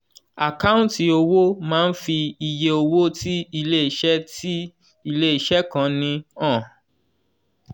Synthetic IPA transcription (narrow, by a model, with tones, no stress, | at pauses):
a˨ka˦ũ˦nti˨o˧wo˦mãː˦n̩˦fi˧i˨je˧o˧wo˦ti˦i˧le˦i˨ʃɛ˦ti˦ | i˧le˦i˨ʃɛ˦kã˨˦nĩ˧ɔ̃˦˨